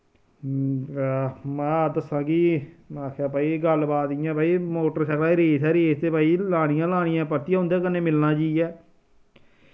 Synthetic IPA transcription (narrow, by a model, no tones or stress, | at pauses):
mɛ̃ːd̪əsãːɡinaːkʰaːpaːiːɡəlbaːt̪ijãːbaːiːmoːʈəɾʃəklaːiɾeːsɛːɾeːst̪eːpaːiːlaːɽ̃ɪjãːlaːɽ̃ɪjãːpəɾt̪ːijãɦʊ̃nd̪eːkənːẽːmɪlnãːd͡ʒiːɛː